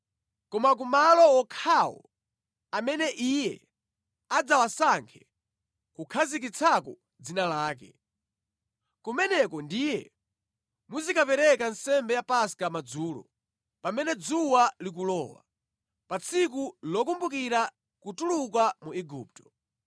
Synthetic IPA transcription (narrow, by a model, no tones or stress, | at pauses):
kɔmak̬umalɔwɔkʰawɔ̰ | amɛnɛʔijɛ̰ | ad͡zawasaŋkʰɛ̥ | kukʰazik̬it͡sʰakɔ | d͡zinalaːk̬ɛ̰ | kumɛnɛkɔndijɛ̰ | muzikʰapɛɾɛkansɛmbɛjapaskamad͡zuːlɔ̰ | pamɛnɛd͡zuwalik̬ulɔːwa̰ | pat͡sʰik̬ulɔkumbuk̬iɾa | kutuluk̬amuiɡṵːp̚tɔ̥